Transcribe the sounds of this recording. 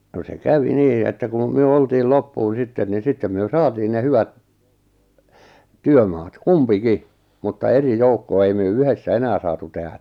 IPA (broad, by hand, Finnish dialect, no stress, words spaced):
no se kæʋi niː etːæ kun̞ myø oltiːl lopːuːn̞ sitːen ni sitːem myø sɑːtiːn ne hyʋæt tyømɑːt kumpiki mutːɑ eri joukːoɑ ei myø yhesːæ enæː sɑːtu tehæ